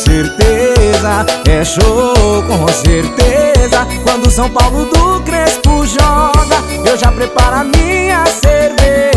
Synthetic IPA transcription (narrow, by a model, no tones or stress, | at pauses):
seɾt̪ezɐɛʃokõseɾt̪ezɐkwɐ̃nd̪ʊsɐ̃w̃pawlʊd̪ʊkɾespʊʒɔɡɐ | ewʒapɾepaɾamĩɐseɾveɾ